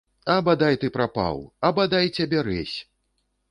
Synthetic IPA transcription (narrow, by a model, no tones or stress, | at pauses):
ɐbɐd̪ajt̪ɨpɾapa̰wɐbɐd̪ajt͡sʲabʲɛɾɛsʲ